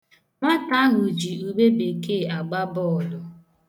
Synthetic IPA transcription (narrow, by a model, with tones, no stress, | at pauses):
ŋʷa˦ta˦a˦ɦʊ˨d͡ʒi˨u˨be˦be˨ke˦˨a˨ɡ͡ba˦bɔ˦˨lʊ˨